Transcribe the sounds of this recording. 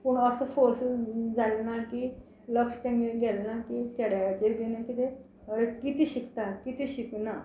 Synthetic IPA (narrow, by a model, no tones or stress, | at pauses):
pəɳəsəfoɾsd͡zalnaki | ləkst̪ãŋɡeɡɛlnakit̪aɽjad͡ʑiɾbinakit̪e | ɦəɾekit̪eɕikt̪akit̪ʰeɕikna